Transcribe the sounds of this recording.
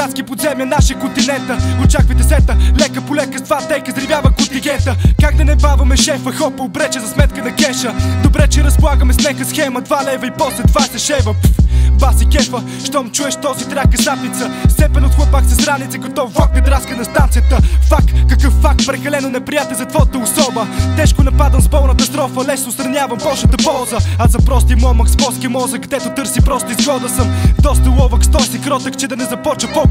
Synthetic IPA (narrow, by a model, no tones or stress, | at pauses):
at̪skipod̪zɛmjənaʃjəkont̪inɛnt̪əot͡ʃakvəjd̪ɛsɛt̪əlɛkəpolɛkəd̪vat̪ɛjkəzɾivʲjavəkʊnt̪iɡɛnt̪əkaɡ̚d̪ɐnɛbavɐmɛʃɛfəxɔpəobɾɛt͡ʃɛzɐsmɛt̪kənɐkɛʃəd̪obɾɛt͡ʃɛɾɐsplˠaɡəmɛsnɛkəsxɛməd̪valɛvɐipɔslɛd̪vasɛʃɛvəbasikʲɛfə | ʃt̪ɔmt͡ʃuɛʃt̪ɔzit̪ɾʲakːɐsat̪nit̪səst̪ɛpɛnʊt̪xlˠəpaksɐsɡɾanit̪sɛkɐt̪ɔvɔkɐd̪ɾaskənɐst̪ant̪sijət̪əfakːɐkːəfːak̚t̪̚pɾɛkɐlɛnonɛpɾijat̪ɛlʲzɐt̪vɔət̪əʊsɔbət̪ɛʃkʊnɐpad̪əmzbɔlˠnət̪əst̪ɾɔfəlɛsnʊst̪ɾɐnʲavɐmbɔlˠʃət̪əpɔlˠzəɐzɐpɾɔst̪imɔməksbɔskʲiəmɔzəkɡd̪ɛt̪ʊt̪ɤɾsipɾɔst̪əizɡˠɔd̪əsəmd̪ɔst̪əlˠɔvəkst̪ɔsikɾɔt̪əkt͡ʃɛd̪ɐnɛzɐpɔt͡ʃəpɔ